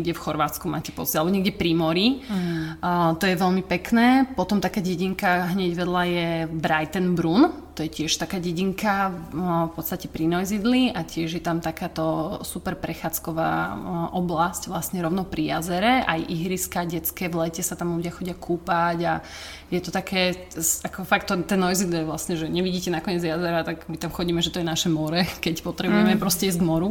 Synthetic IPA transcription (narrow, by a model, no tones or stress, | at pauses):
ɡɟɛfxɔɾʋaːt͡skuma̰ːcɛ̥pɔt͡sialɛbɔɲɛɡɟɛpɾimɔɾi | t̪ɔjɛʋɛlmipɛknɛːpɔt̪ɔmt̪akaːɟɛɟiŋkaɦɲɛɟʋɛd̪lajɛbɾajt̪ɛnbɾunt̪ɔjɛcɪɛʃt̪akaːɟɛɟiŋka | fpɔt̪st̪acɛpɾinɔjzid̪liʔacɪɛʒjɛt̪amt̪akaːt̪ɔsupɛɾpɾɛxaːt͡skɔʋa̰ːʔɔblascʋlasɲɛɾɔʊnɔpɾʔijazɛɾɛʔa̰jʔiɦɾiskaɟɛt͡skɛːʋlɛcɛsat̪amluɟɪaxɔɟɪakʰuːpaɟa | jɛt̪ɔt̪akʰɛː | akɔfakt̪ːɔnt̪ːɛnːɔjzid̪liɛʋlasɲɛʒɛɲɛʋiɟiːcɛnakɔɲɪɛd͡zjazɛɾat̪aɡmit̪amxɔɟiːmɛʒɛt̪ɔjɛnaʃɛmɔɾɛkɛcpɔt̪ɾɛbujɛmɛpɾɔscɛizɡmɔɾu